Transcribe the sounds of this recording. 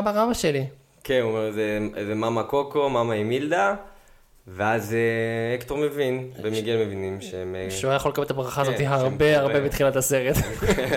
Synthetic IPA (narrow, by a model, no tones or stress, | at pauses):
abaʁamaʃeli | kenumeʁzezemamakokomamaimild̪a | veazeekt̪oʁmevinbemiɡelmevinimʃeemʃuajaχolekaelt̪abʁaχaːzot̪iɦaʁbeaʁbebet̪χilat̪ase̞ʁet̪